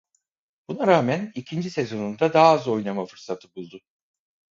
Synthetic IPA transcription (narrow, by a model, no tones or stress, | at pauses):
b̥unaɾaːmænicʰind͡ʒisezo̞nund̪ad̪aːzo̞jlˠamafɯɾsat̪ʰɯbulˠd̪ʊ